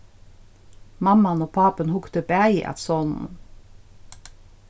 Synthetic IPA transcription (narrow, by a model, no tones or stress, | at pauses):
mɑmɑnoːpʰɑːpənhʊkt̪əpæɪʔɑ̰t̪sɔnn̩